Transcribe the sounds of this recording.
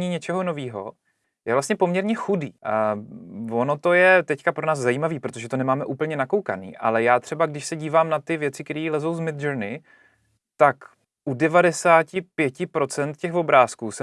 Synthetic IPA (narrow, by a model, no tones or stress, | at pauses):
ɲiːɲɛt͡ʃɛɦo̞no̞viːɦo̞̰ | jɛvlast̪ɲɛpo̞mɲɛɾɲɛxudiː | vo̞no̞t̪o̞jɛt̪ɛckapɾo̞naːzzajiːmaviːpɾo̞t̪oʒɛt̪onɛmaːmɛʔuːpl̩ɲɛnakowka̰nḭːʔa̰lɛjaːt̪r̝̥ɛbaɡdɪʃsɛɟiːvaːmnat̪ɪvjɛt͡sɪk̪ɛɾiːlɛzo̞wzmɪt̪̚d͡ʒəɾnɪ | t̪ak | ʔudɛvadɛsaːcɪpjɛcɪpɾo̞t͡sɛnt̪cɛɣvo̞bɾaːskuːsɛ